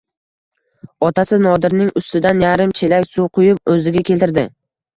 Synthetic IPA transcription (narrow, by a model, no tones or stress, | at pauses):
ɒt̪ʰasɪnɒd̪ɪɾnɪŋʊst̪ɪd̪anjaɾɪmt͡ʃʰelakʲsuqʰʊjɪp̚ɵzɪɡʲakʲe̞lt̪ɪɾd̪ɪ